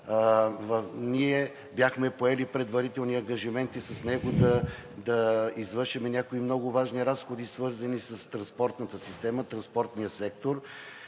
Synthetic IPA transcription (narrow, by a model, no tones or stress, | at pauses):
vniɛ | bjaxmɛpoɛlipɾɛd̪vɐɾit̪ɛlˠniɐŋɡɐʒimɛnt̪isɐsnɛɡʊd̪ɐ | d̪ɐizvɤɾʃɛmɛnʲakoimnɔɡʊvaʒniɾasxod̪isvɤɾzɐnisɐst̪ɾɐnspɔɾt̪nət̪əsist̪ɛmət̪ɾɐnspɔɾt̪nijəsɛk̚t̪oɾ